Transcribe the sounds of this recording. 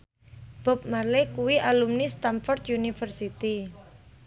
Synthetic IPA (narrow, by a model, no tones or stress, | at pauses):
b̥ɔ̤p̚malekuwiʔalumnist̪amfɔrt̪junifərsit̪i